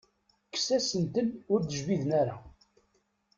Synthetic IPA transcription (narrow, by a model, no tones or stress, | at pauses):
kːsæsənt̪ənʊɾd̪əʒviðənæɾa